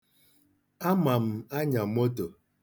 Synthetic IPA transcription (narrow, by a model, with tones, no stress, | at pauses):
a˦ma˨m̩˨a˦ɲa˨mo˦to˨